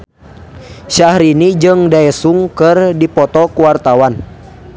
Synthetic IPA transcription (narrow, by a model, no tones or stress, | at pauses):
ʃahɾinid͡ʒɨŋdaɛsuŋkɨrdipɔt̪ɔkuwart̪awan